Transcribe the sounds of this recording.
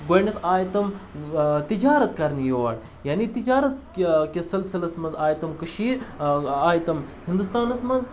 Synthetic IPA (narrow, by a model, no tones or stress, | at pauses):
ɡojnɐt̪aːjt̪ɐm | t̪id͡ʒaːɾɐt̪kɐɾnjoʋa̰ːɽ | jaːnit̪id͡ʒaːɾɐt̪ | kʲesɐlsilɐsmɐzaːjt̪ɐmkɐʃiːɾaːjt̪ɐmhind̪ust̪aːnɐsmɐz